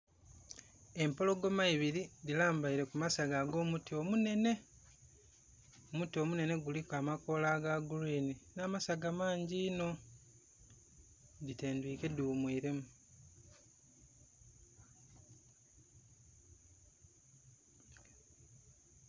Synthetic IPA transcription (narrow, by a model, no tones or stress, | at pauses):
e̞mpo̞lo̞ɡo̞maiβiɾidilaːmbaiɾe̞kumasaɡaːɡo̞ːmutiomune̞ne̞ | omutio̞mune̞ne̞ɡulikamako̞laːɡaɡuɾiːninaːmasaɡamaːɲɟiːno̞ | dite̞ːndwiːke̞duumwiːɾe̞mu